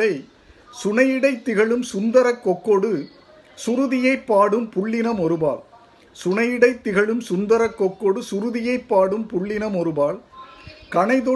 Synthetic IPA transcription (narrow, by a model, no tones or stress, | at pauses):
ɐɪ | sʊnɐjɪɽɐɪt̪ːɪɣɐɭɯmsʊnd̪ɐɾɐkːɔkːoɽɯ | sʊɾɯðɪjɐɪpːaːɽɯmpʊɭːɪnɐmɔɾɯba̰ːɭ | sʊɳɐjɪɽɐɪt̪ːɪɣɐɭɯmsʊnd̪ɐɾɐkːɔkːoɽɯsʊɾɯðɪjɐɪpːaːɽɯmpʊɭːɪnɐmɔɾɯbaːɭkɐɳɐɪðɔ